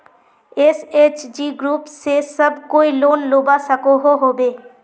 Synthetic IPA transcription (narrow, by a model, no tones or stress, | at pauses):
eseːt͡ʃd͡ʒiːɡɾuːpsesəbkoːiloːnloːbasəkoɦoɦoːbeː